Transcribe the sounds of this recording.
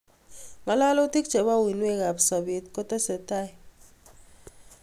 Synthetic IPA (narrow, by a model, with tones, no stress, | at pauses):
ma˨la˦lɔ˦ti˦k̚t͡ʃɛ˨ba˦˨wi˨nwe˦˨ɣa˨bsɔ˨be˨t̚kɔ˦tɛ˦sɛ˨ta˦j